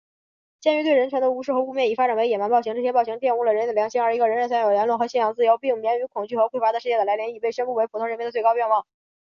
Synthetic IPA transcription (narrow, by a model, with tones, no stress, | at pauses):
t͡ɕjɛ˥ny˧˥t̪we˥˩ɪɻə˧˥nt͡ɕʰɥɛ˧˥nd̪ə˧u˧˥ʂɻ̩˥˩xɤ˧˥u˥˧mjɛ˥˩i˨˩fa˥ʈ͡ʂa˨˩we˧˥ɪjɛ˨˩ma˧˥npɕi˥ŋʈ͡ʂɤ˥˩ɕjɛ˥pɑ˥˩ʊɕi˧˥ŋt̪̬jɛ˥˧nu˥˩lə˩ɻə˨jɑ˧˥ŋɕi˥ŋə˞˧˥i˧˥ɡə˧ɻə˧˥nɻə˧˥nswa˥njo˨˩ʊljɛ˧˥nlwə˥˩nxɤ˧˥ɕjɛ˥˩jɑ˧˥ŋt͡sɹ̩˥˩jo˧˥ʊpi˥˩ŋmjɛ˧˥ny˧˥kʰʊ˨˩ŋt͡ɕy˥˩xɤ˧˥xwe˥˩ɪfa˥d̪əʂɻ̩˧t͡ɕjɛ˥˩d̪ə˩la˧˥ɪljɛ˧˥ni˥˩pe˥˩ɪɕɥɛ˥npu˥˩we˧˥ɪpʰu˨˩ʊ˥ŋɻə˧˥mʲjɛ˥d̪ə˩t͡se˥˩ɪɑ˥ʊpjɛ˥˧nwɑ˥˩ŋ